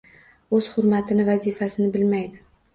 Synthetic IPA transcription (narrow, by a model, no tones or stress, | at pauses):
ɵz̥hʊɾmat̪ʰɪnɪvazifasɪnɪbɪlmajd̪ɪ